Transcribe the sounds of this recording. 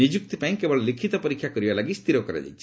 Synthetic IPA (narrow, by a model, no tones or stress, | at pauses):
nid͡ʒuk̚t̪ipaĩkebɔɭelikʰit̪ɔpɔɾikʰːjakɔɾibalaɡist̪iɾɔkɔɾa̰d͡ʒa̰jt͡ʃʰi